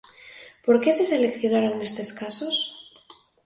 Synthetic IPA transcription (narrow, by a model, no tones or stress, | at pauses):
po̞ɾke̞se̞se̞le̞kθjo̞naɾoŋne̞st̪e̞skaso̞s